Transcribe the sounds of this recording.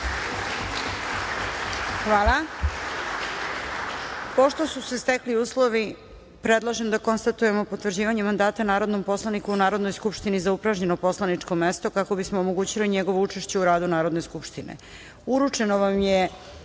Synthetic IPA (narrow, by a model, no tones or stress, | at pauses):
xʋaːla | po̞ʃt̪o̞susest̪ekliuːslo̞ʋi | pɾe̞d̪lˠaʒemd̪ako̞nst̪at̪uje̞mo̞po̞t̪ʋr̩d͡ʑiːʋaɲemand̪aːt̪anaːɾo̞d̪nompo̞slˠanikuunaːɾo̞d̪no̞jskupʂt̪inizaupɾaʒɲe̞no̞po̞slˠanit͡ʂko̞me̞st̪o̞kako̞bismo̞ːmoɡuːt͡ɕiliɲe̞ɡo̞ʋout͡ʂeʃt͡ɕe̞uɾaːd̪unaːɾo̞d̪ne̞skupʃt̪inḛ | uɾut͡ʂe̞noʋamje